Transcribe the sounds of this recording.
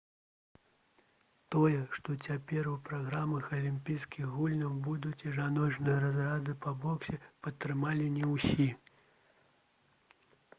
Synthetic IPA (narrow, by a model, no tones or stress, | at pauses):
t̪ɔjɛʂt̪ɔt͡sʲapʲɛrupɾaɣɾamɐxɐlʲimʲpʲijskʲixɣɣulʲnɐwbud̪ut͡sʲiʐanɔt͡ʂnɨjɐɾazrad̪ɨpɐbɔksʲɛpɐt̪ːɾɨmalʲinʲɛwsʲi